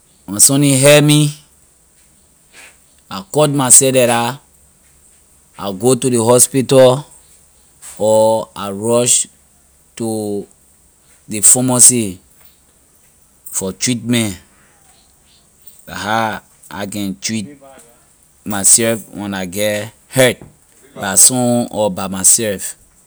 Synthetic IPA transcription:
wɔ̃nsɔ̃nĩɦɛmi | akɔt̚masɛdɛɾa | a̰ɡotudeɦɔspitɔ | ɔaɹɔʃ | tu | defɔmɔsi | fɔtɹitmɛ̃n | la̰ɦa | a̰kɛ̃ntɹit̚ | masɛlfwɛ̰̃naɡɛ | hɛt̚ | basɔ̃ɔbamasɛlf

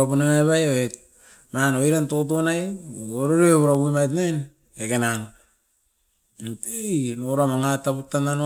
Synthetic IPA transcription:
apunemajβajaβe | manoiɾantot̬onajoɾoɾeeβuɾaβuimajt̬nejn | ekenano | tejnoɾamaŋatːaputːanano

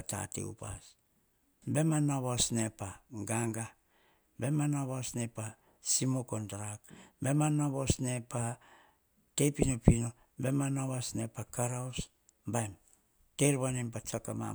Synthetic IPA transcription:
ta̰tḛṵpa̰s | be̞manaβasnepaɡaŋɡa | be̞manaβasne̞pa | simokondɾakbe̞manaβosne̞pa | tejpinopino | be̞manaβasne̞pakaɾaos | bajm | teɾβanempat͡ʃakama̰

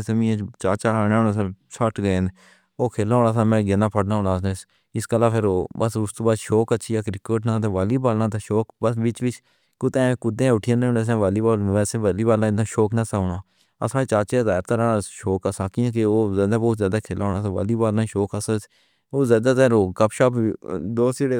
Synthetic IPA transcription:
səmĩːãt͡ʃaːt͡ʃaːɽoːnaːsãːsəʈɡə̃n | oːkʰeːlaːõːɽaːsaːmɛ̃ːɡɪnãːpʰəʈnaːʊnaːses | ɪskəlãːpʰɪɾoːbəsʊst̪oːbaːʃoːkətːʃʰiːaːkɾɪkəːʈnãːt̪eːʋaːliːbaːlnãːt̪eːʃoːkbəsʋɪt͡ʃʋɪt͡ʃ | kʊt̪ẽːkʊd̪ẽːʊʈʰɪjãːnːneːs̬ɛ̃ːʋaːliːbaːlʋɛːseːʋaːliːbaːlaːɪd̪ãːʃoːknãːsaːʊɳãː | ə̰sãːt͡ʃaːt͡ʃezaːɾt̪əɾãːʃoːkəsãːkɪãːkeoːzaːd̪aːboːt̪zjaːd̪aːkʰeːlaːɦoːnaːt̪aʋa̰ːliːbaːlaːʃoːkəsəs | oːzjaːd̪aːt̪ɛːɾoːkəpʃaːpːd̪oːsd͡ʒɪɽeː

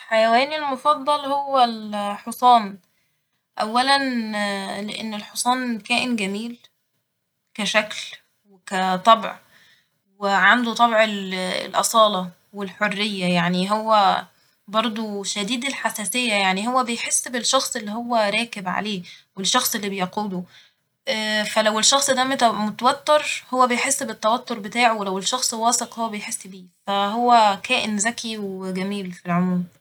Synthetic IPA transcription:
ħajæwæːnilmofɑd̪ˤːɑlhowːælħosˤɑːn | ʔæwːælæn | leʔḛnːelħosˤɑːnkæːʔenɡæmiːl | kæʃækl | wekæt̪ˤɑbʕ | weʕand̪ut̪ˤɑbʕel̰lʔɑ̰sˤɑːlɑ | welħorːejːæjaʕniɦowːæ | bɑɾˤd̪ˤoʃæd̪iːd̪elħasæːsejːæjaʕniɦowːæbejħesːbelʃɑxsˤelːihowːæɾˤɑːkebʕa̰leːwelʃːɑxsˤelːibejquːlo | ʔæːfælæwelʃɑxsˤd̪æmt̪æmot̪æwæt̪ːeɾˤhowːæbejħesːbet̪ːæwæt̪ːoɾˤbet̪aːʕowelæwelʃɑxsˤwɑːseqhowːæbejħesːbiːfæɦowːækæːʔenzækʰiwɡæmiːlfilʕomuːm

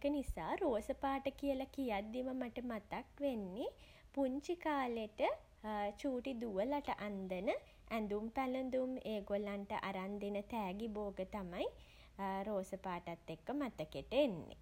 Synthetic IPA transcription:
ekənisaːɾoːsəpaːʈəkijəlakijad̪ːiməmaʈəmat̪akʋenːi | puɲt͡ʃikaːleʈə | t͡ʃuːʈid̪uʋəlaʈəʔand̪ənə | ænd̪umpælənd̪umeːɡolanʈə̰ʔaɾand̪enət̪æːɡiboːɡət̪amaj | ɾoːsəpaːʈat̪ːekːəmat̪əkeʈəenːḛḭ

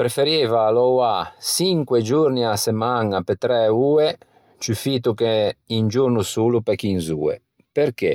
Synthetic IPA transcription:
pɾefeɾeːvaːlɔwasiŋkwed͡ʒuɾniasemaŋapet̪ɾɛuːe | t͡ʃufiːt̪ukeind͡ʒuɾnusuːlupɛkinzṵːḛ | peɾke

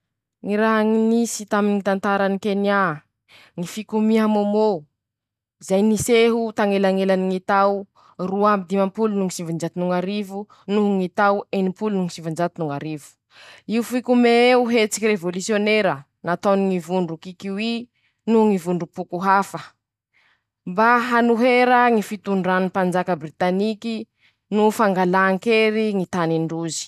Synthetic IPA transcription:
ŋiɾaɦaŋinisit̪aminit̪ant̪aɾanikena | ŋifikumiɦamomo | izajniseɦut̪aŋelaŋelaniŋit̪aw | ruambid̪imampulunuŋisivind͡ʒat̪inuŋaɾivu | nuɦuŋit̪awenimpulunuŋisivind͡ʒat̪inuŋaɾivu̥ | iufikumeuɦet͡si̥kirevolusioneɾə | nat̪oniŋivuɳɖ͡ʐukikiwi | nuŋivuɳɖ͡ʐupukuɦafə | mbaɦanuɦeɾəŋifit̪uɳɖ͡ʐanipand͡ʒakəbrit̪aniki | nufaŋɡalaːŋkeɾiŋit̪aniɳɖ͡ʐuzi̥

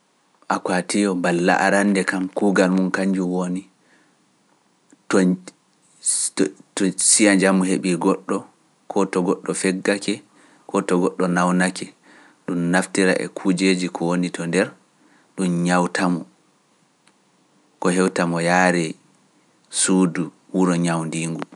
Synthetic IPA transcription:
ʔakwatijɔbalːa̰ʔaɾandɛkamkuːɡalmunkaɲd͡ʒuwoni | tɔ | sijaɲd͡ʒamuɦeɓiɡɔɗːɔ | kʰɔtɔɡɔɗːɔfɛɡːakɛ | kʰɔtɔɡɔɗːɔnawnakɛ | ɗumnaftiɾa̰ʔɛ̰kʰud͡ʒed͡ʒikʰɔwonitʰɔndɛɾ | ɗumɲawtʰamɔ | kɔɦɛwtamɔjaɾɛ | suːdu | wuɾɔɲawndiːŋɡu

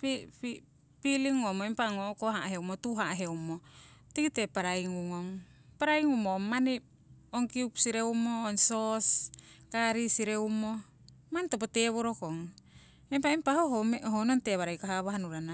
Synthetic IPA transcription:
pipi | piliŋomoempaŋokoɦaɦeumotuɦaɦeumotikitepaɾaiŋuŋoŋ | paɾaiŋumomani | oŋkiupsiɾeumoːnsoskaɾisiɾeumo | mantopoteβoɾokoŋ | empaimpahoɦomɦononteβaɾajkaɦaβaɦanuɾana

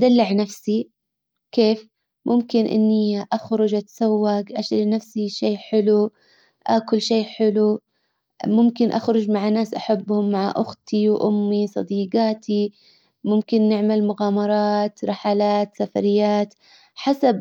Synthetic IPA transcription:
ʔad̪alːɪʕnafsi | keːf | mʔʊmkɪnʔɪ̰nːiʔaxɾʊd͡ʒʔat̪ḁsawːaɡʔaʃlinafsiʃeːħɪlu | ʔa̰ːkʊlʃeːħɪlu | mʊmkɪnʔaxɾˤʊd͡ʒmaʕanaːsʔaħabːhʊmːaʕa̰ʔʊxt̪ʰiwʔʊmːisˤɑ̰d̪iːɡɑːt̪ʰi | mʊmkɪnːɪʕmalmʊɣaːmɑɾˤɑːt̪ɾˤɪħaːlaːt̪safa̰ɾɪjːaːt̪ | ħasab̚

